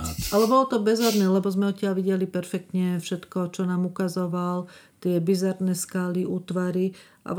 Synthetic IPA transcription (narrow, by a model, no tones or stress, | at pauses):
ʔalɛbɔlɔt̪ɔbɛzɦɔd̪nɛːlɛbɔzmɛɔc̪ɪaʎʋiɟɛlipɛɾfɛk̚t̪ɲɛfʃɛt̪kɔt͡ʃɔnaːmukazɔʋalt̪ɪɛbizaɾnɛːskaliʔuːt̪ʋaɾi | ʔa̰